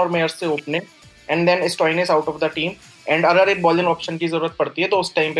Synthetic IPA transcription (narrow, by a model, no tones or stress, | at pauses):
ɔːɾmeːəɾsːeoːpnɪ̃ŋ | ɛ̃ɳɖd̪ɛ̃nɪsʈɔːɪnɪsaʊʈɔːfd̪əʈiːm | ɛ̃ːɳɖɐɡəɾeːk̚bɔːlɪ̃ŋɔːpʃənkizɐɾuːɾət̪̚pɐɽt̪iɦɛt̪oʊsʈãɪ̃mpe